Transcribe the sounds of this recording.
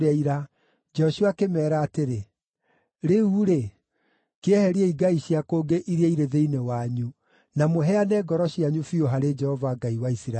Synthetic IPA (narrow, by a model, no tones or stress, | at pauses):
ɛiɾa | d͡ʒɔʃuakemɛːɾaːteɾe | ɾeuɾe | keɛhɛɾiɛiɡaiʃiakoːɡeʔiɾiaiɾeðeinewaɲu | namoɦɛanɛːɡɔɾɔɕiaɲufioɦaɾed͡ʒɛhɔvaɡaiwaisiɾa